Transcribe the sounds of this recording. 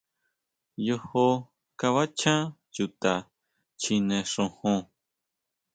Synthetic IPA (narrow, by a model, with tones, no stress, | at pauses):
jo˧ho˧ | ka˧βa˦t͡ʃã˦ | ju˧˨t̪a˨ | t͡ʃi˧nẽ˧ʂõ˧hõ˧